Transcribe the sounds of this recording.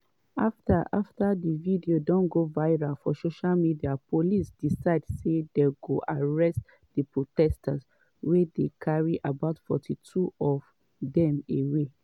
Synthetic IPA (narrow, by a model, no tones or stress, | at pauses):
aftaʔaftadividiodɔ̃nɡovaɪɹalfɔsoʃalmidiapolisd̥isaɪdsedeɡoʔaɹɛst | dipɹotɛstʰaz | wedekʰaɹiʔabaʊtfɔ̰tʰitʰuɔv | dɛ̃mewe